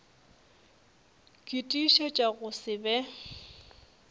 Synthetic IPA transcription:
kʼitʼiʃɛt͡ʃʼaɣʊsɪbɛ

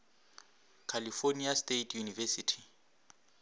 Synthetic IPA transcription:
kʰalifoniastetʰjunivɛsitʰi̥

